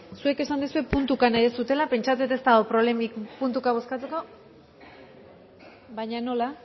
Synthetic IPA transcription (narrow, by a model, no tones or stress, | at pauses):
sue̞ke̞sand̪esue̞punt̪ukanajðesut̪e̞lape̞nt͡ʃat͡set̪e̞st̪aopɾo̞βlemikpunt̪ukaβ̞o̞skat͡se̞ko̞ | βajɲano̞la